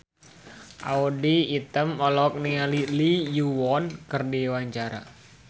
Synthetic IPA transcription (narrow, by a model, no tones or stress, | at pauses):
ʔa̰udiːt̪əmɔlɔk̚nialilijuwɔnkɨrdiwaɲt͡ʃaɾa̰